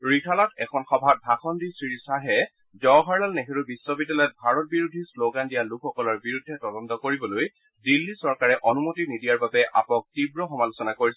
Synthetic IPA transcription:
ɹikʰalatɛ̰kʰɔnxɔbʱat̚bʱaxɔndisɹiɹisaɦɛ | zɔɦaɹlalnexeɹubisːɔbidalɛt̚bʱaɹɔt̚biɹudʱisloɡandijalukʰɔkɔlɔɹbiɹudʱːɛtɔlɔntɔkoɹibɔloj | dilːisɔɹkaɹɛʔɔnumotinidijaɹbabɛʔa̰pɔk̚tibɹɔxɔmalosɔnakoɹisɛ

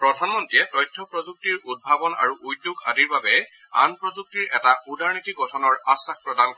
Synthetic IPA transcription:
pɹɔdʱanmɔntɹijɛtɔjtʰːɔpɹɔzuk̚tiɹud̚bʱabɔna̰ɹuʔujtuka̰diɹbabɛ | a̰npɹɔzuk̚tiɹɛtaudaɹnitʰiɡʱɔtʰɔnɔɹasak̚pɹɔdankɔɹ

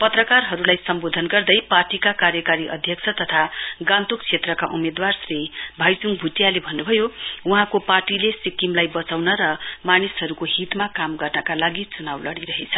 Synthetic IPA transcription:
pʌt̪rʌkarɦʌɾulajsʌmbod̪ʱʌnɡʌrd̪ʌjparʈikakaɾjʌkaɾiʔʌ̰d̪ʱjʌkt͡sʰʌt̪ʌt̪ʰaɡãnt̪ukt͡sʰet̪rʌkaʔumed̪warsribʱajt͡suŋ̚bʱuʈjalebʱʌnːubʱʌjouɦãkoparʈilesikimlajbʌt͡sawnʌɾʌmanisɦʌɾukoɦit̪makamɡʌrnʌkalaɡit͡sunawlʌɽiɾʌɦet͡sʰʌ

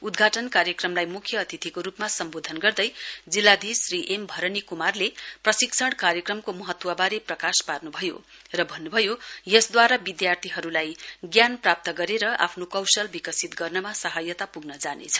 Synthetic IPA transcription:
ud̪ɡʱaʈʌnkaɾjʌkrʌmlajmukʰjʌːt̪ʰit̪ʰikoɾupmasʌmbod̪ʱʌnɡʌrd̪ʌjd͡zilːad̪ʱisriʔembʱʌɾʌnikumarleprʌsiksʰʌɽkaɾjʌkrʌmkomʌɦʌt̪ːwabaɾeprʌkasparnubʱʌjo̰ | rʌbʱʌnːubʱʌjojʌsd̪waɾabid̪jart̪ʰiɦʌɾulajɡjanprap̚t̪ʌɡʌɾeɾʌʔa̰pʰnokʌwsʌlbikʌsit̪ɡʌrnʌmasʌɦajʌt̪apuɡnʌd͡zanḛt͡sʰʌ̥

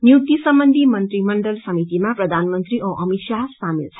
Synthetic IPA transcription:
njiwʈisʌmbʌnd̪ʱimʌnt̪ɾimʌɳɖʌlsʌmit̪imaprʌd̪ʱanmʌnt̪ɾiʔõʔʌmisasamḭlt͡sʰʌ

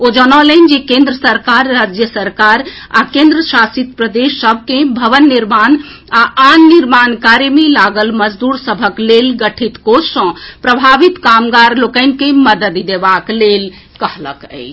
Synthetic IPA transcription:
od͡ʒənɔlənd͡ʒekẽnd̪ɾəsəɾkaɾːad͡ʒjəsəɾkaɾ | a̰kẽnd̪ɾəsasit̪pɾəd̪esːəbʱkẽbʱəʋənːiɾman | aanːiɾmankaɾemelaɡəlməd͡ʒd̪uɾsəbʱəklelɡəʈʰit̪kosə̃pɾəbʱaʋit̪kamɡaɾlokəɪnkẽməd̪əd̪d̪ebaklel | kəɦlə̰kə̰ɪt͡ʃʰ

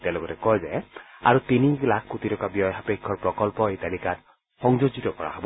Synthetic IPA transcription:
tɛ̃lokɔtɛkɔjzɛa̰ɹutinilakʰkutitɔkabijɔjapekʰːɔɹpɹɔkɔlpɔetalikat | xɔŋzozitɔkɔɹa̰hɔbɔ

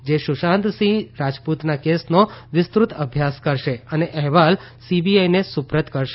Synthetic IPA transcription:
d͡ʒeʃʊʃãnt̪sĩɾad͡ʒput̪nakesnoʋɪst̪ɾut̪əbʱjaskəɾʃeəneʔɛɦʋal | sibiajnesʊpɾət̪kəɾʃe

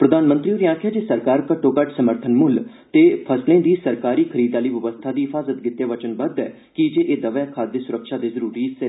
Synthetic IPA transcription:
pɾəd̪aːnmə̃nt̪ɾioːɾiãːkʰjaːd͡ʒeːsəɾkaːɾkəʈːoːkəʈsəməɾt̪ʰənmʊl | t̪eːpʰəslẽːd̪iːsəɾkaːɾiːkʰəɾiːd̪aːləiːʋəʋəst̪ʰaːd̪iːɦɪpʰaːzət̪ɡɪt̪ːeːʋət͡ʃənbəd̪ɛː | kɪd͡ʒeːʔeːd̪əʋjaːkʰaːd̪esʊɾəkʃaːd̪eːzəɾuːɾiːsɪ

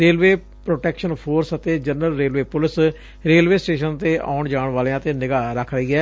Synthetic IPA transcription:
ɾeːlʋeː | pɾoːʈɛːkʃənpʰoːɾsət̪eːd͡ʒənəlɾeːlʋeːpʊlɪs | ɾeːlʋeːsʈeːʃənt̪eːʔa̰ːʊɳd͡ʒaːɳʋaːleãːt̪eːnɪɡaːɾəkʰɾəɦiːɦɛː

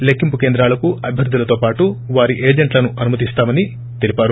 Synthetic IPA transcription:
lekːimpukend̪ɾaːlɐkuʔɐbʱjɐɾd̪ʱːulɐt̪o̞ːpaːʈuʋaːɾiʔeːd͡ʒeɳʈlɐnuʔɐnumɐt̪ist̪aːmɐni | t̪elipaːɾu

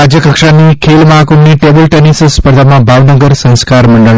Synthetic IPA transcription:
ad͡ʒjəkəkʂanikʰeːlmaɦkunnːiʈeːbəlʈenisspəɾd̪ʱamãbʱaːʋnəɡəɾsɐ̃ñskaːɾmɐɳɖəl

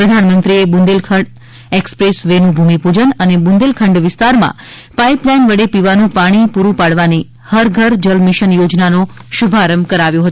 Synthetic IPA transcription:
pɾəd̪ʱanmənt̪ɾiebũnd̪elkʰəɳɖ | ekspɾesʋenũbʱumipud͡ʒənənebund̪elkʰəɳɖʋɪst̪aɾmã̰ | paiplɛnʋəɽepiʋanũpaɽ̃ipuɾũpaɽʋani | həɾɡʱəɾd͡ʒəlmɪʃənjod͡ʒnanoʃubʱaɾəmkəɾaʋjõɦət̪ũ

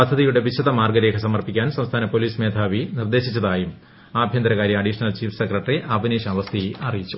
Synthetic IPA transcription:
pɐd̪ʱːɐðijuɽe̞ʋiɕɐðɐmaːrɡɐɾe̞ːkʰɐsɐmɐrpikʲːaːnsɐmst̪ʰaːnɐpo̞liːsmeːd̪ʱaːʋinird̪e̞ːɕit͡ɕːɐðaːjum | aːbʱjɐnd̪ɐɾɐɣaːɾjɐɐɖiʂɐnɐlt͡ɕiːfsekrɐʈriʔɐbʱineːɕaːʋɐst̪ʰijʔɐrijit͡ɕːu

